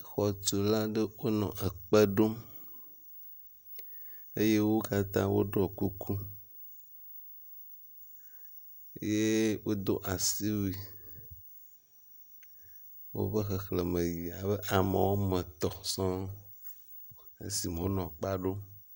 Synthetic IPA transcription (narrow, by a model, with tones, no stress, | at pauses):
xɔ˨t͡ʃu˨lã˦ɖe˦wo˦nɔ̰̃˨ʔe˨k͡pə˦ɖo˦ | e˦je˦wo˦ka˦t̪ã̰˦wo̰˦ɖɔ˦˨ku˦kʰu˦ | je˦wo˦d̪o˦ʔa˨si˦wi˦ | wo̰˦ɸə˦xe˨xle˨mə̃˨ji˨a˨be˦ʔa˨mḛ˨wo˦mə̃˨t̪ɔ˨sɔ̃˦ | ḛ˦si˨m˨wo˦nɔ̃˨k͡pa˦ɖo˦